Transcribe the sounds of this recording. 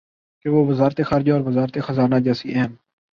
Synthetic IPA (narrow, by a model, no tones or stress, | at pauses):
keʋoːʋəzaːɾt̪eːxaːɾɪd͡ʒaɔːɾʋəzaːɾt̪eːxəzaːnaːd͡ʒɛːsiːʔɛːn